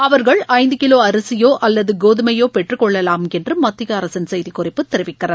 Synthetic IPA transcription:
ɐʋɐɾɣɐɭɐɪnd̪ɯkɪloːɐɾɐsɪjoːʔʔɐlːɐðɯɡoːðɯmɐjoːpɛʈrɯkɔɭːɐlaːmɛndrɯmɐt̪ːɪɣɐːɾɐsɐnsɛjðikʊrɪpːɯt̪ːɛɾɪʋɪkːɪrɐ

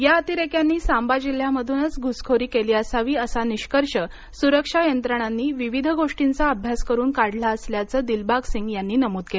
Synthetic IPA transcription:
jaət̪iɾekjanːiːsambad͡ʑil̤jaməd̪ʱunət͡sɡʱuskʰoɾiːkeliːəsaʋiːəsaniɕkəɾʂə | suɾəkʂajənt̪ɾəɽ̃anːiːʋiʋid̪ʱəɡoʂʈint͡saəbʱjaskəɾuːnkaɽlaəsljat͡səːd̪ilbaɡsiŋɡjanːiːnəmuːd̪kel

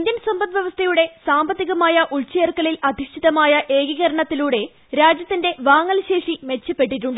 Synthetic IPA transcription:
iind̪jɐnsombɐt̪ʋjeʋɐst̪ʰɐjuɽe̞saːmbɐt̪ːiɣɐmaːjɐʔuɭt͡ɕeːrkɐlilɐd̪ʱiʂʈʰiðɐmaːjɐʔeːɡiɣɐɾɐɳɐt̪ːiluːɽe̞ | ɾaːd͡ʑjɐt̪ːinde̞ʋaːŋːɐlɕe̞ːʂime̞t͡ɕːɐpːe̞ʈːiʈːuɳɖɨ

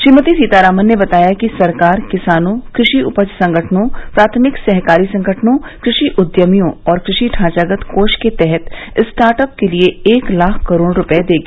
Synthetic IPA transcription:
ʃɾiːmət̪isiːt̪aːɾaːmənːebɐt̪aːjakisɐɾkaːɾkɪsaːnõkɾɪʃiʊpəd͡ʒsɐ̃ŋɡʱəʈʰnõpɾaːt̪ʰmɪksɛɦkaːɾisɐ̃ŋɡʱəʈʰnõ | kɾɪʃiʔʊd̪jəmijõɔːɾkɾɪʃiʈʰãːt͡ʃaːɡət̪koːʃket̪ɛɦɛt̪ | ɪsʈaːɾʈəp̚kelieeːklaːkʰkɐɾoːɽɾʊpɛed̪eːɡiː

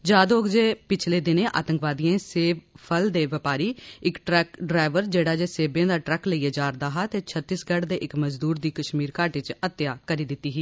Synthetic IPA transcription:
d͡ʒaːd̪oːɡd͡ʒeːpɪt͡ʃʰleːd̪ɪneːʔa̰ːt̪ə̃ŋkʋaːd̪ijẽːseːbpʰəld̪eːʋɪpaːɾiːɪkʈɾɛkɖɾaːɪʋəɾd͡ʒeːɽaːd͡ʒeːseːbẽːd̪aːʈɾɛkləieːd͡ʒaːɾd̪aːɦaːt̪eːt͡ʃʰət̪ːiːsɡəɽd̪eːʔɪkməzd̪uːɾd̪iːkəʃmiːɾkaːʈɪt͡ʃət̪ːjaːkəɾiːd̪ɪt̪ːiːɦiː

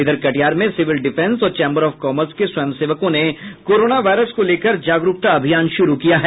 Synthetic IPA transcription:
ɪd̪əɾkɐʈijaːɾmẽsɪʋɪlɖɪfʰɛ̃nsɔːɾt͡ʃɛ̃ːmbəɾɔːfkɔːməɾskeswɐjəmseːʋəkõnekoːɾoːnaʋaːɪɾəskoleːkəɾd͡ʒaːɡɾʊkt̪aɐbʱijaːnʃʊɾukijaɦɛː

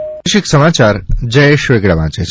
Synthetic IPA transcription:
ʃiksəmat͡ʃaɾd͡ʒəjeʃʋeɡɽaʋãt͡ʃe

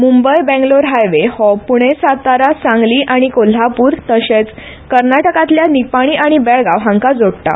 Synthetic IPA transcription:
mumbəjbɛ̃ŋɡloɾɦajʋehɔpuɽ̃esat̪aɾasãŋɡliːʔaɽ̃ikol̤ːapuːɾt̪əɕet͡s | kəɾnaʈəkãt̪ljanipaɽ̃iːʔaɽ̃ibɛɭɡawɦãŋkad͡zoɽt̪a̰

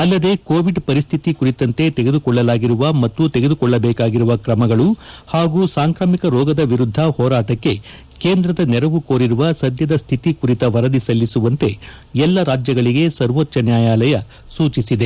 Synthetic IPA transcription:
ɐlːɐd̪e̞koːʋiɖpɐɾist̪ʰit̪ikuɾit̪ɐnt̪e̞t̪eɡe̞d̪ukɔɭːɐlaːɡiɾuʋɐmɐt̪ːut̪eɡe̞d̪ukɔɭːɐbɛːkaːɡiɾuʋɐkɾɐmɐɡɐɭuhaːɡuːsaːŋkɾaːmikɐɾɔːɡɐd̪ɐʋiɾud̪ʱːɐhɔːɾaːʈɐkːe̞ | keːnd̪ɾɐd̪ɐnɛɾɐʋukoːɾiɾuʋɐsɐd̪jɐd̪ɐst̪ʰit̪ikuɾit̪ɐʋɐɾɐd̪isɐlːisuʋɐnt̪e̞ | ɛlːɐɾaːd͡ʒjɐɡɐɭiɡe̞sɐɾʋotːʃɐnjaːjaːlɐjɐ | suːt͡ʃisid̪e̞

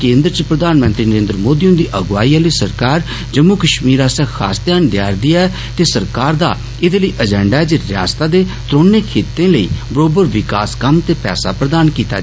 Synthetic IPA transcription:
kẽːnd̪ɾt͡ʃəpɾəd̪aːnmə̃nt̪ɾiːnəɾẽːnd̪əɾəmoːd̪iːʊ̃nd̪iːʔəɡʋaːiːaːləiːsəɾkaːɾ | d͡ʒəmokəʃmiːɾaːsɛ̃ːkʰa̰ːst̪jaːnɖja̰ːɾd̪ɪjaɛ | t̪eːsəɾkaːɾd̪a̰ː | ɪd̪eːləiːʔəd͡ʒɛ̃ːɳɖaɛd͡ʒeɾɪa̰ːst̪aːd̪eː | t̪ɾoːnːeːkʰeːt̪ẽːləḭːbəɾoːbəɾʋɪkaːskəmt̪eːpɛ̰ːsa̰ːpɾəd̪aːnkiːt̪a̰

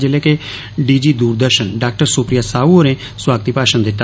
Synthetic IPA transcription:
d͡ʒeleːke | ɖiːd͡ʒiːd̪uːɾd̪əɾʃənɖaːk̚ʈəɾsuːpɾɪjaːsaːuoːɾẽː | swaːɡət̪iːpaːʃənd̪ɪt̪ːa

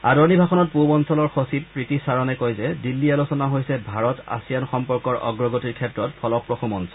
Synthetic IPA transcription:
adɔɹnibʱaxɔnɔt̚pubɔnsɔlɔɹxosippɹitisaɹɔnɛkojzɛdilːialosɔnaɦojsɛbʱaɹɔta̰sijanxɔmpɔɹkɔɹɔ̰ɡɹɔɡotiɹkʰɛtɹɔtpʰɔlɔpɹɔxumɔnsɔl

